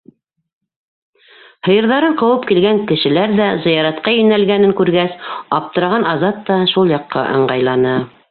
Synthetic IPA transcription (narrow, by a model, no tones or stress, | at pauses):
hɤ̆jɤ̆ɾðɑɾɤɴqɤ̆wɤpkilɡæŋkɘ̆ʃɘ̆læɾðæzɤ̆jɑɾɑt̪̚qɑjɵ̆nælɡænɘŋkʉɾɡæsɑp̚t̪ɤ̆ɾɑʁɑnɑzɑt̪ːɑʃulˠjɑqːɑ̰ʔɤ̰̆ɴɢɑjlˠɑnɤ